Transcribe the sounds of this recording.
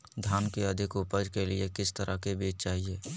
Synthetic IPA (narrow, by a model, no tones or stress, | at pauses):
d̪ʱaːnkeəd̪ʱɪkupəd͡ʒkelɪekɪst̪əɾʔəkebeːt͡ʃt͡ʃaːɦieː